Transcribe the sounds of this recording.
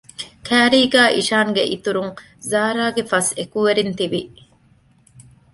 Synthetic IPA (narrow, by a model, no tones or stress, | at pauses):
kʰæːɾiːɡæːʔiʃaːŋɡeʔit̪uɾuŋ | zaːɾaːɡefɐsekuʋeɾint̪iʋi